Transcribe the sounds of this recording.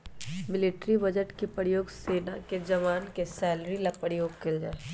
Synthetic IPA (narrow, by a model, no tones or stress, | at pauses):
mɪlɪʈɾibɐd͡ʒəʈkepəɾjoːɡseːnaked͡ʒɐʋaːnkesɛːlɾilapəɾjoːɡkeld͡ʒa̰ːe